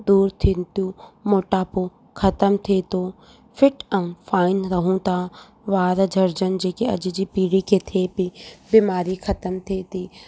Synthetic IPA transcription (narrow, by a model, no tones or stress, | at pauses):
d̪uːɾt̪ʰint̪jũmoːʈaːpo | kʰɐt̪əmt̪ʰet̪oː | fʰɪʈɐmfaːɪnɾɐɦũt̪aː | ʋaːɾd͡ʒʱɐɾd͡ʒənd͡ʒeːkeɐd͡ʒd͡ʒiːpiːɽikʰet̪ʰepibimaːɾikʰɐt̪əmt̪ʰet̪iː